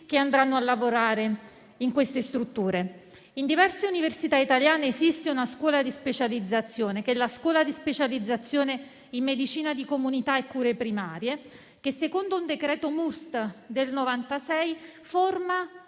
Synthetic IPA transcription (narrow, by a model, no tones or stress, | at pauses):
k̟eand̪ɾanːoalːavoɾaːɾe | iŋkwest̪est̪ɾut̪ːuːɾe | ind̪ivɛrseuniversit̪ait̪aljaːneːzist̪eunaskwɔːlad̪ispet͡ʃalid̪zːat̪sːjoːnekɛlːaskwɔːlad̪ispet͡ʃalid̪zːat̪sːjoːne | imːed̪it͡ʃiːnad̪ikomunit̪aekːuːɾepɾimaːɾje | kesːekond̪ound̪ekɾɛːt̪omust̪d̪elnovant̪asɛjforma